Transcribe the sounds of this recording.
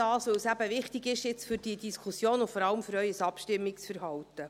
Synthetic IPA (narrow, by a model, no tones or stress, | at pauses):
ɑːsʋɵwsæbəʋɪχtɪɡɪʃjɪt͡sfʏɾd̥iədiskʰusjoːnʊfɔɾɑləmfʏɾœɥəsɑpʃtɪmːiksfəɾɦɑlt̪ə